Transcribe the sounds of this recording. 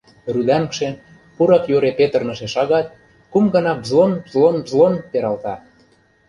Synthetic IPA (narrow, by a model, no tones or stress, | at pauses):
rud̪ænkʃen | puɾɑkjoɾepet̪ə̆rnɤ̆ʃeʃɑɣɑt̪̚ | kumɡɤ̆nɑbzlonbzlonbzlonpeɾɑlt̪ɑ